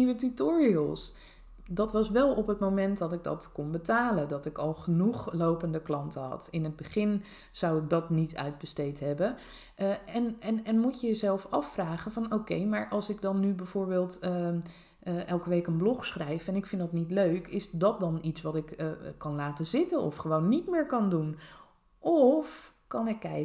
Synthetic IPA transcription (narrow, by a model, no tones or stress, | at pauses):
ʋətytʊːɹiəlˠs | dɑtʋɑsʋɛlˠɔpɦətmowmɛntdɑtɪɡ̚dɑ̰tkɔnbətaːləndɑtɪkɑlˠχənuχlowpəndəklɑntəɦɑ̰tɪnəd̚bəχɪn | z̥awɪk̚dɑtnitʰœ̰ɥd̚bəstejtɦɛbən | ɛnɛnɛnmucəjəzɛlˠfɑfraːχənvɑnowkejmaːɹʔɑlˠsɪɡ̚dɑnːybɛv̥oːɹbɪːlˠt | ʔɛlˠkəʋejkənblɔχsχrɛjfɛnɪkfɪndɑtnitløɥkɪsdɑt̚dɑnitsʋɑtɪkkɑnlaːtəzɪtənɔ̰fχəʋownːitmɪːɹkɑndun | ʔɔf | kɑnɪkːɛ